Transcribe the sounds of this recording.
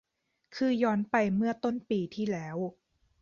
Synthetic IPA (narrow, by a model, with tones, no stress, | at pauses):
kʰɯː˧jɔː˦˥npa˧jmɯ˥˩ɐt̪o˥˩˨npiː˨˩t̪ʰiː˥˩lɛː˦˥w